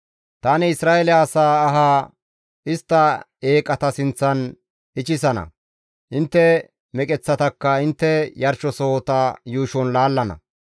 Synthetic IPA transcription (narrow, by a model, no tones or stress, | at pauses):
t̪aːnɪɪsɾaːɛlɪaːsaːɦaː | ɪst̪ːɐ | eːkʼːɐt̪ɐsɪnt͡sːɐn | ɪt͡ʃɪsɐnɐ̰ | ʔɪnt̪ːɛ | mɛkʼɛt͡sːɐt̪ɐkːɐɪnt̪ːɛjɐɾʃɔsɔht̪ɐjuːʃɔnlaːlːɐnɐ̰